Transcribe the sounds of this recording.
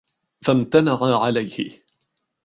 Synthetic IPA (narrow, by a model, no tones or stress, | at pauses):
famt̪anaʕaʕalajhɪ̰